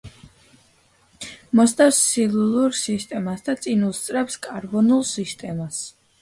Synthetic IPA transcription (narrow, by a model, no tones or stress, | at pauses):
mɔst̪ʼafsːilulˠuɾsist̪ʼɛmasd̪at̪sʼinust̪sʼɾɛpskʼaɾbɔnulˠsist̪ʼɛmas